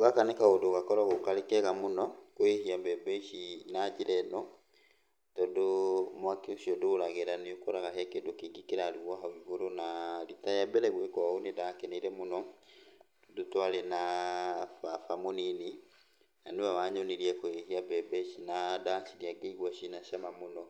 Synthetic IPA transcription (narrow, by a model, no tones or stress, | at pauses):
oɣakanekaodoɣakɔɾaɣokalekɛɣamonɔkoehiabɛbɛʃinad͡ʒiɾɛnɔ | tɔdomwakeoʃiɔdoɾaɣeɾaneokoɾaɣahɛkendokeɡikeɾaɾiβwaɦɔβihoɾonaɾitajabɛɾɛɣwekɔaonedakɛneiɾɛmonɔ | dotwalena | fafamonini | naneβaβaɲoneɾiɛkoehiabɛbɛʃinadaʃiɾiakeiɣwaʃinaʃamamonɔ